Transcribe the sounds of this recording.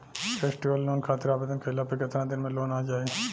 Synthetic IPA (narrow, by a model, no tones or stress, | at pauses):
fʰeːsʈiʋəlːoːnkʰaːt̪ɪɾaːbeːd̪ənkʰɐɦɪlaːpəkɪt̪ɾãd̪ɪnmẽloːnaːd͡ʒaːe